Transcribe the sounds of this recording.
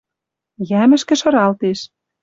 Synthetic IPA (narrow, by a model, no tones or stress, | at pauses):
jæmɘ̆ʃkɘ̆ʃɤ̆ɾɑlt̪eʃ